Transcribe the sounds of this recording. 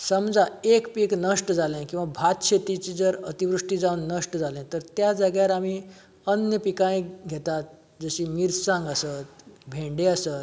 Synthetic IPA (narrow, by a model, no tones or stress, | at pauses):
səmd͡zaekpiknəʂʈəd͡zalẽkĩw̃ʋabʱat̪t͡ɕʰet̪it͡ɕid͡zəɾət̪iʋɾuʂʈid͡zaunːəʂʈəd͡zʱalẽt̪əɾt̪jad͡zəɡjaɾam̤i | ənjəpikaĩɡʱet̪at̪̚ | d͡zəɕiːmiɾsãŋɡəsət̪̚bʱẽɳɖeəsət̪̚